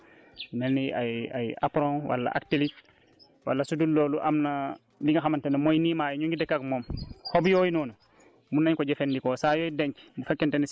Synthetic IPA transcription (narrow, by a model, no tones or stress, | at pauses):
nenːia̰ja̰ja̰pɾɔ̃wa̰lːa̰ʔa̰k̚tilit | wa̰lːasudulːoːluʔamna | liŋɡaxamantenɐmojniːmaːjɲuŋɡidɛkːakmomhobjɔːjinɔːnu | munːaɲkɔɟefendikɔsajoːjideɲkmufɛkːenteni